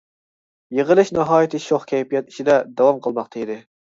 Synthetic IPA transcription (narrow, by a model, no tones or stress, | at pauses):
jeʁəlˠɨʃnɑɦɑːjit̪ʰɪʃoχkʲʰɛjpijɛt̪i̥ʃid̪ɛd̪ɑwɑmqʰəlˠmɑqt̪ʰɑid̪ɪ